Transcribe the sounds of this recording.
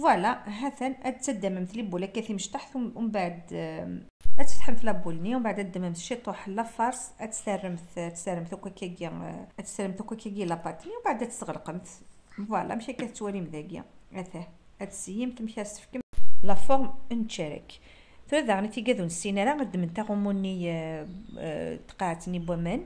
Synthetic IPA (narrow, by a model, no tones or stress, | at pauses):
wælæɦæθænʔæt̪ːæd̪æməmt̪libulækæθiməʃt̪aħθmbaʕəd̪ | ʔæt̪əft̪ħənt̪læbulniwbaʕd̪æd̪ːæməmt̪ʃit̪ˤoħəlːæfɑɾˤsˤʔæt̪særːəmt̪t̪sæɾːəmt̪ukækæɡiʔæt̪sæɾːəmt̪ukækæɡilæbɑt̪niwbaʕd̪æt̪ə̥sɣəlqəmt̪ | bɑlæ̰mʃækæt̪wæɾimðæɡjæ̰ | æθæh | ʔæt̪səjːəmt̪mʃiæst̪ə̥fkəmlæfoɾmənt̪ʃæɾə̰k | θæðæɣnit̪iɡæðunəsːinæɾæqəd̪ːəmənt̪æɣumunːi | t̪qɑʕt̪nibæmæn